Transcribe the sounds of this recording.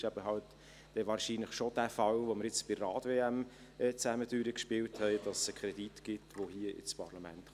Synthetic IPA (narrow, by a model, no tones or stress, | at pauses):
ʃæb̥əɦɑlt | d̥ɛʋɑːɾʃiːnləχʃod̥æfɑlʋoməɾjɪt͡sb̥ɪrɑːtveːæm | ɛːt͡sæmədyːɾəkʃpɪwthɛɪd̥ɑssəkʰʁɛditɡ̥ɪtʋohiəʔɪ̰t͡spʰɑɾlɑmæ̰nt